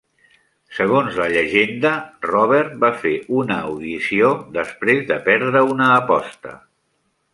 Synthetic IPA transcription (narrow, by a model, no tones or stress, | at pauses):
səɣ̞onzləʎəʒend̪ərɔβ̞ɛrt̪̚bafeʔunəwðisiod̪əspɾezðəpɛɾð̞ɾəunəːpɔ̰st̪ə̰